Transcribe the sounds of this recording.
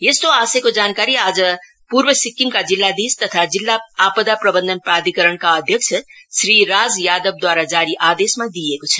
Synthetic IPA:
jest̪oasekod͡zankaɾiad͡zʌ | purbʌsikːimkad͡zilːad̪ist̪ʌt̪ʰad͡zilːaapəd̪aprʌbənd̪ʱənprad̪ʱikʌɾəɳkaʌd̪ʱjʌk̚t͡ʃʰʌsɾiɾad͡zjad̪ʌb̚d̪waɾad͡zaɾiʔad̪esmad̪ijekot͡sʰʌ̥

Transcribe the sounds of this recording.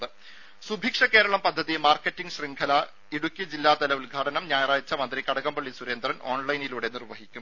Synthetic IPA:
ðɨ | subʱiːkʂɐke̞ːɾɐɭɐmpɐd̪ʱːɐðimaːrkːetːiŋɡɕriŋɡʰʱɐlɐ | iɽukʲːid͡ʑilːaːt̪ɐlɐʋulɡʱaːɽɐnɐmɲaːjɐraːjt͡ɕːɐmɐnd̪rikɐɽɐɣɐmbɐɭːisuɾe̞ːnd̪rɐno̞ːɳlɐjniluːɽe̞nirʋɐɦikʲːum

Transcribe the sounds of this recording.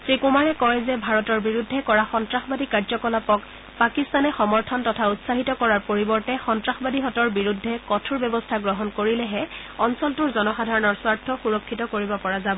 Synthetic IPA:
sɹikumaɹɛkɔɹɛzɛbʱaɹɔtɔɹbiɹudʱːɛkɔɹaxɔntɹaxbadikaɹzɔkɔlapɔk | pakistanɛxɔmɔɹtʰɔntɔtʰautsaɦitɔkɔɹaɹpoɹibɔɹtɛxɔntɹaxɔbadiɦɔtɔɹbiɹudʱːɛkɔtʰuɹbɛbɔstʰaɡɹɔɦɔnkoɹilɛɦɛ | ɔnsɔltuɹzɔnɔxadʱaɹɔnɔɹswaɹtʰːɔxuɹɔkʰːitɔkoɹibɔpɔɹazabɔ

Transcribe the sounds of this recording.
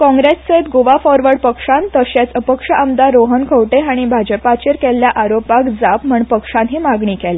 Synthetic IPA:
kɔ̃ŋɡɾesːəit̪ɡoʋafɔɾʋəɾɽpəkʂãnt̪əɕat͡səpəkʂəʔəmd̪aɾoɦənkʰəʋʈeaɽ̃ibʱad͡ʑəpat͡ɕeɾkɛljaʔaɾopakd͡zapm̤əɳpəkʂãnɦiːmaɡɳiːkɛle

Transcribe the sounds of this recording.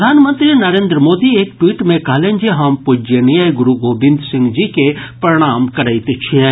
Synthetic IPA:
d̪ʱaːnmə̃nt̪ɾinɐɾẽːnd̪ɾəmoːd̪ieːkʈwiːʈmẽkɐɦlẽnd͡ʒeɦɐmpud͡ʒənijəjɡʊɾuɡoːbɪ̃nd̪ʱsɪ̃ŋɡd͡ʒikepɾɾɪɽ̃aːmkɐɾəit̪et͡ʃʰĩ

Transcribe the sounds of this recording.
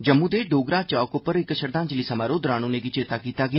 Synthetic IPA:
d͡ʒəmːũːd̪eːɖoːɡɾaːt͡ʃaːkʊpəɾɪkːəʃəɾd̪ãːnd͡ʒliːsəmaːɾoːd̪ɾaːñoːneːɡiːt͡ʃɪt̪aːkiːt̪aːɡɪaː

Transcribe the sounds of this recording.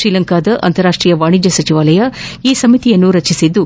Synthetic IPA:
ɾiːlɐŋkaːd̪ɐʔɐ̰nt̪ɐɾaːʂʈɾiːjɐʋaːɳid͡ʒɐsɐt͡ʃiʋaːlɐjɐiːsɐmit̪ijɐnːuɾɐt͡ʃisid̪ːu

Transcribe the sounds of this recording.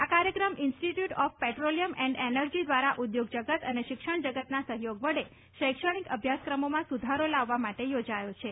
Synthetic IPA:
akaɾjəkɾəmɪnsʈiʈjuʈɔfpɛʈɾoliəmɛ̃ɳɖenəɾd͡ʒid̪ʋaɾaʔud̪joɡd͡ʒəɡət̪əneʃɪkʃəɳd͡ʒəɡət̪nasəɦjoɡʋəɽe | ʃəjkʃəɽ̃ikəbʱjaskɾəmomãsud̪ʱaɾolaʋːamaʈejod͡ʒajot͡ʃʰe

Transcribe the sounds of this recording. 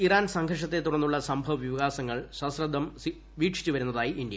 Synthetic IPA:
iraːnsɐŋɡʱɐrʂɐt̪ːe̞t̪ːuɽɐnːuɭːɐsɐmbʱɐʋʋiʋɐɣaːsɐŋːɐɭɕɐsrɐd̪ʱɐm | ʋiːʈʂi̥t͡ɕːuʋɐɾunːɐðaːjiʔind̪jɐ

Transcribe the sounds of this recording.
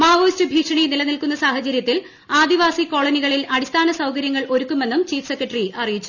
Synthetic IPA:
maːʋoːstɨbʱiːkʂɐɳinilɐnilkunːɐsaːhɐt͡ɕɐɾjɐt̪ːil | aːd̪iʋaːsiko̞ːɭɐniɣɐɭilɐɽist̪ʰaːnɐsɐwkɐɾjɐŋːɐɭʔo̞ɾukːume̞nːumt͡ɕiːfsekːɐʈriʔɐrijit͡ɕːu̥

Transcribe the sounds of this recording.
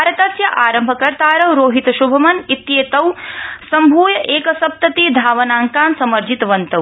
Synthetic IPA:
ɾɐt̪ɐsjɐʔaːɾɐmbʱɐkɐɾt̪aːɾɐwɾoːɦit̪ʃubʱɐmɐnit̪jeːt̪ɐwsɐmbʱuːjɐʔeːkɐsɐp̚t̪ɐt̪iːd̪ʱaːʋɐnaːŋkaːnsɐmɐɾd͡ʒit̪ʋɐnt̪ɐw

